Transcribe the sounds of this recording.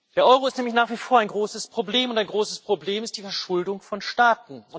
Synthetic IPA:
d̥eːɐʔɔʏʁ̞oɪstnɛːmlɪç̬naːχv̥iːfoːɐaɪnŋɡʁoːsəspʁ̥obleːmʊntaɪnɡʁoːsəspʁ̥obleːmɪst̚d̥iːfɛɐʃʊldʊŋfɔnʃtaːtn̩ʊn

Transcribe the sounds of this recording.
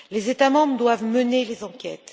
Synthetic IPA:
lezet̪amɑ̃bʁəd̪wavmənelezɑ̃kʲɛt̪

